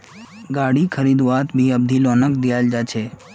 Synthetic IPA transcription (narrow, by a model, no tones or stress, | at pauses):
ɡaːɽikʰəɾiːd̪ʋaːt̪bʱiəb̚d̪ʱilɔːnəkd̪ijaːld͡ʒaːt͡ʃʰeː